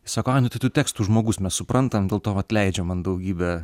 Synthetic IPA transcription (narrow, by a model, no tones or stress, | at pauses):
ɪsɑːkoːɑɪnʊt̪ʲɐɪt̪uːtʲæːkst̪uːʒmoːɡʊsmʲɛssʊpɾɐnt̪ɐmdʲeːlˠt̪oːɐt̪ʲlʲɛɪd͡ʒʲɛmɐnd̪ɐʊɡʲiːbʲɛ